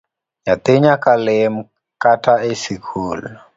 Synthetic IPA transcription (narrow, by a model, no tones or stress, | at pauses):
jat̪ɪɲakalem | katʰaesikʰuːlɔ